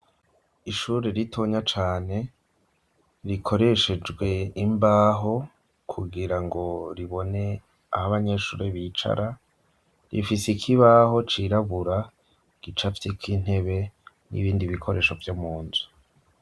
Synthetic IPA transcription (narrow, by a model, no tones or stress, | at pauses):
iʃuɾeɾitʰoɲat͡ʃaːne̞ | ɾikʰo̞ɾe̞ʃe̞d͡ʒɡwe̞imbaːɦo̞ | kʰuɡiɾaŋɡo̞ɾiβo̞ne̞ | ahaβaɲe̞ʃṵːɾeβit͡ʃa̰ɾa | ɾifisikʰiβaɦo̞t͡ʃiɾaβuɾa | ɡ̥it͡ʃafi̥tikʰiːn̥he̞βe̞ | nʔḭβiːndiβikʰo̞ɾe̞ːʃo̞vjomuːnzu